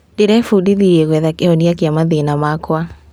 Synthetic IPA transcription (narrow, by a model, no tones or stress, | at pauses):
deɾɛfudiðiɾeɣwɛðakeoniakjamaðenamakwa